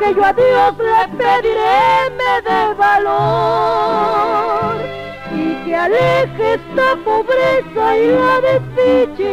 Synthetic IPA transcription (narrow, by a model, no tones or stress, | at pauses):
keʝoaðjoslepeðiɾemeðeβalo | ɾ | ikealekest̪apoβɾisoiloðefit͡ʃe